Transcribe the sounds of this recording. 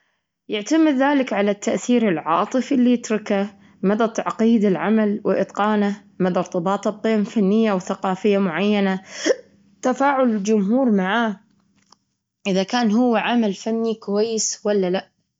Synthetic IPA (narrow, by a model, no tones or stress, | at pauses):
jɪʕt̪amɪd̪ðaːlɪkʕalat̪ːaʔθiːɾɪlʕɑːt̪ˤɨfɪlːijɪt̪ɾˤɪka | mad̪at̪ʕɑqiːd̪ɪlʕamalwɪ̰ʔɪ̰t̪ˤqɑːna | mad̪ɑɾˤt̪ˤɨbɑːt̪ˤɨt̪ˤːiːmfanːɪjːawθaqɑːfɪjːamʊʕajːana | t̪afaːʕʊlɪld͡ʒʊmɦuːɾmaʕaː | ʔɪðakaːnɦʊwːaʕamalfanːikʊwajːɪswalːalaʔ